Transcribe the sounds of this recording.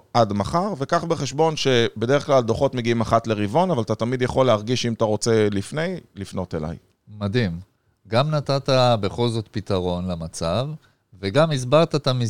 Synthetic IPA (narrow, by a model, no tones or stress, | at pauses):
ʔadmaχaʁve̞kaχbeχe̞ʃbo̞nʃe̞be̞deeχklald̪oχo̞t̪meɡiimaχat̪le̞ʁivo̞navalat̪atamid̪jaχo̞lːeɦaʁɡiʃimat̪aʁo̞t͡se̞lifne̞jlifno̞t̪ela̰j | madim | ɡamnat̪at̪abe̞χo̞lzo̞t̪pit̪aʁo̞nlamat͡sav | veɡamizbaʁt̪at̪ami